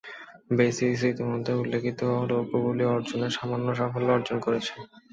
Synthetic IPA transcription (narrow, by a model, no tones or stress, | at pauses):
besis̬it̪imod̪ʱːeulːekʰit̪oɾokobuliɔɾd͡ʑoneɾʃamanːoʃ̬afolːoɔɾd͡ʑonkoɾet͡ɕʰe